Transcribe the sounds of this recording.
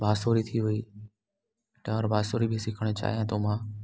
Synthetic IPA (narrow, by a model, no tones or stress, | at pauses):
bʱaːsoːɾit̪ʰiʋʊiː | ʈəɔːɾbʱaːsoːɾibʱɪsɪkʰəɽ̃et͡ʃa̰ːɦijãːt̪oːmãː